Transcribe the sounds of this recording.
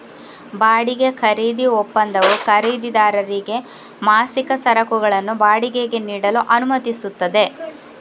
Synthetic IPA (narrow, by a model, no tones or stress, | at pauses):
baːɽiɡe̞kʰɐɾiːd̪iɔpːɐnd̪ɐʋukʰɐɾiːd̪id̪aːɾɐɾiɡe̞ | maːsikɐsɐɾɐkuɡɐɭɐnːubaːɽiɡe̞ɡe̞niːɽɐluʔɐnumɐt̪isut̪ːɐd̪e̞